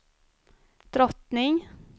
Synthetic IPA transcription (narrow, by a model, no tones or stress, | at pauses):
d̪̥ɾɔt̪nɪŋ